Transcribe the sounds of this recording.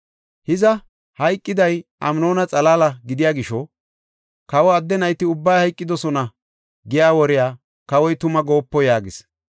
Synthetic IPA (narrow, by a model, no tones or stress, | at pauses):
hɪzɐ | hɐjkʼːɪd̪ɐjʔɐ̰mno̞ːnɐt͡sʼɐlaːlɐɡɪd̪ɪjaːɡɪʃɔ | kɐwɔɐd̪ːɛnɐjt̪ɪʊbːajhɐjkʼːɪd̪ɔsɔnɐ | ɡɪjaːwɔɾɪjaː | kɐwɔjt̪ʊmɐɡo̞ːpːɔjaːɡɪs